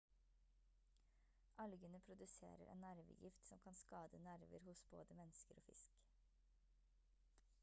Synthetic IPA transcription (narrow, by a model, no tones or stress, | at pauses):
ʔɑlɡənəpʰɾʊd̪ʉsḛːɾəɾʔḛːnnæɾʋə̰jɪft̪sɔmkʰɑnskɑːd̪ənæɾʋəɾhʊsbo̰ːd̪əmɛnskəɾoːfɪsk